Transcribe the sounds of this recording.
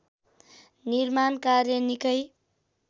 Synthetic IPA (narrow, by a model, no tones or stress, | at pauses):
niɾmankaɾjʌnikʌj